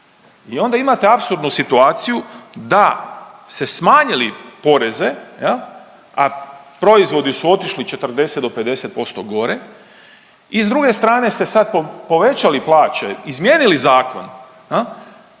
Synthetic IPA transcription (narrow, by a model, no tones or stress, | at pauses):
io̞nd̪aimat̪e̞apsuɾd̪nusit̪uaːt̪sijud̪ase̞smaːɲilipo̞ɾe̞ze̞jel | apɾo̞izʋo̞d̪isuo̞t̪iʃlit͡ʃe̞t̪ərd̪e̞set̪d̪o̞pe̞d̪e̞set̪̚po̞st̪o̞ɡo̞ɾe̞ | izd̪ɾuɡe̞st̪ɾaːne̞st̪e̞sad̪̚popo̞ʋe̞t͡ʃaliplaːt͡ʃe̞izmje̞ːnilizaːko̞̰n | jel